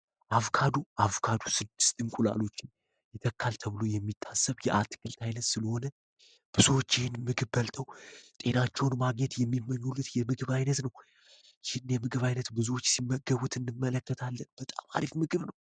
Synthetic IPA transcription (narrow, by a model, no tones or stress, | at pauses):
ʔafkʰad̪uʔafkʰad̪usɨd̪ːɨ̥st̪ʼɨŋkʼula̰lo̞t͡ʃːɪn | jɛt̪ʰəkːalt̪ʰəβɨlo̞jɛmːit̪ʰːasːəβjɛʔat̪ʰkʰɨlt̪ʰajnət̪sɨləho̞nə | b̥ɨzuwot͡ʃːɪhɪnmɨɡɨβbəlt̪ʰəwt̪ʼe̞nat͡ʃːɛwnmaɡɲɛt̪jɛmːimːəɲːulːɨt̪jɛmɨɡɨβajnət̪nəw | jɪhɨnjɛmɨɡɨβajnət̪bɨzuwo̞t͡ʃːsimːəɡəβut̪ʰɨnːɨmːələkːət̪ʰalːənbət̪ʼa̰ma̰ɾifmɨɡɨβnəw